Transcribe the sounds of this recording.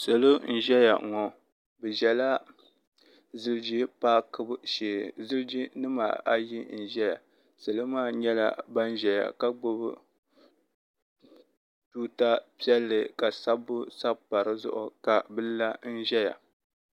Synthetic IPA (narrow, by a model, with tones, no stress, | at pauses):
so˨lo˦n̩˦ʒɛ˦ja̰˨ŋɔ˨ | bɨ˨ʒɛ˨la˦ | zɨ˦ld͡ʒi˦paː˦kɨ˦bʃeː˨zɨ˦ld͡ʒi˦nɨ˦ma̰˨a˦ji˦n̩˦˨ʒɛ˦ja̰˨ | sɨ˨lɨ˦maː˦ɲɛ˦la̰˦ba˦n˦ʒɛ˨ja̰˨ka˦ɡ͡bo˦b | tuː˦ta˦pi˦ɛ˦lːɨ˨ka˨sa˦bːʊ˦sa˦bpa˨ɾɨ˦zʊ̰˦ʔʊ˨ka˨bɨ˦lla˦n̩˦ʒɛ˦ja̰˨